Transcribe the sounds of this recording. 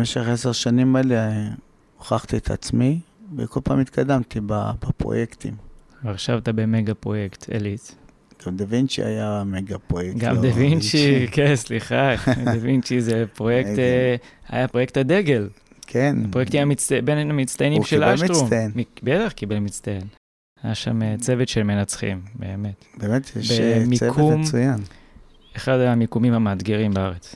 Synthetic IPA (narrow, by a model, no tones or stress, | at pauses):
meʃeχeseʁʃanimele | oχaχt̪iet̪a̰t͡smivḛkolpa̰ːmit̪kʰad̪amt̪ibabapʁo̰jekt̪ḭm | veaʁʃavt̪abemeɡapʁo̞jekt̪ʰḛlit | ɡ̥amd̪evint͡ʃḭa̰jameɡapʁojekɡamd̪evint͡ʃikensliχaɡamevint͡ʃizepʁojekt̪ | a̰japʁo̞jek̚t̪had̪eɡe̞l | kʰenapʁojekt̪imamit͡stbenamit͡st̪ajenimʃelaʃtʁumnmibet̪aχkibelmit͡st̪ajen | ajaʃamet͡sevet̪ʃelme̞nat͡sχḭmbe̞ːme̞t̪bemet̪jɛbemikʰumujan | eχad̪amikumimhamaːd̪ɡeʁimbeaʁet͡s